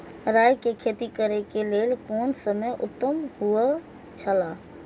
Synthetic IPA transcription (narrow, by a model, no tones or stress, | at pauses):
ɾajkekʰet̪ikəɾɛkelelkonsəmejʔṵt̪ːəmɦuə | t͡ʃʰəla